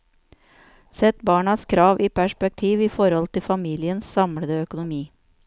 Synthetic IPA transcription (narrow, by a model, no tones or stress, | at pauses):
sɛt̪bɑːɳɑskʰɾɑːʋʔiːpʰæʃpɛk̚t̪ʰiːʋiːfɔɾhɔlt̪ʰɪfɑmiːlɪənssɑmɽəd̪əœkʊnʊmiː